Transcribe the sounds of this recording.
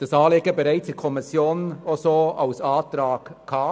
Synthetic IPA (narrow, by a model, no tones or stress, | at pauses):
d̥ɑsɑːleːɡəbəɾaɪt͡sɛkʰɔmɪsjoːnosoaʊsɑːt̪ɾaːɡkʰaː